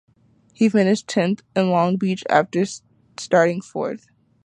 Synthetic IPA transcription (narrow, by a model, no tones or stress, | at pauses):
hifɪ̃nɨʃtʰɛ̃nθ | ɨ̃nlɔ̃ŋbit͡ʃæ̰ftə˞ | stɑɹɾɪ̃ŋfɔ̰ɹθ